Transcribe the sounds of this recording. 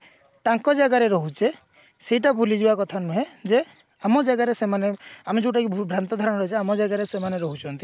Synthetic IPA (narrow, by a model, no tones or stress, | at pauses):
t̪aŋkɔd͡ʒaɡaɾeɾɔɦut͡ʃʰe | seɦiʈabʱulid͡ʒibakɔt̪ʰanuɦed͡ʒe | amɔd͡ʒaɡaɾesemaneamid͡ʒuʈakibʱɾant̪ɔd̪ʱɔɾɔnɾɔɦit͡ʃʰeamɔd͡ʒaɡaɾesemaneɾɔɦut͡ʃʰɔnt̪i